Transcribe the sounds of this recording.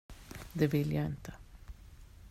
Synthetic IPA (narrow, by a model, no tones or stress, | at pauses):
d̪ɛvɪljaɪnt̪ə̥